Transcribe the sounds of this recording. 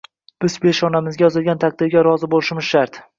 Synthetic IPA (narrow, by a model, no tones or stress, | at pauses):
b̥ɪzbeʃɒnamɪzɡʲajɒzɪlɡʲant̪ʰak̚d̪ɪɾɡʲaɾɒzɪbolɪʃɪmɪz̥ʃaɾt̪